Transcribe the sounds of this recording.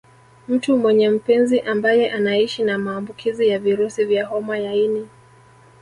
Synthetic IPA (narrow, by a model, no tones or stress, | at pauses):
m̩tumwɛɲɛm̩pɛnziʔambajɛʔanaiʃinamaːmbukʰizijaviɾusivjahɔmajaini